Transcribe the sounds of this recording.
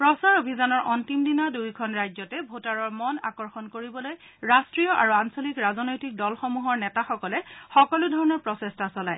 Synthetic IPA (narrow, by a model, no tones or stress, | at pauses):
pɹɔsaɹobʱizanɔɹʔɔntimdinadujkʰɔnɹajzɔtɛbʱotaɹɔɹmɔna̰kɔɹxɔnkoɹibɔloj | ɹastɹijɔʔa̰ɹuansɔlikɹazɔnojtik̚dɔlxɔmuɦɔɹnɛtaxɔkɔlɛxɔkɔludʱɔɹɔnɔɹpɹɔsestasɔlaj